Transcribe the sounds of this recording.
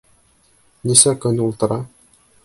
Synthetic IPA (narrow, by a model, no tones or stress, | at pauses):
nisækɵnulˠt̪ɤ̆ɾɑ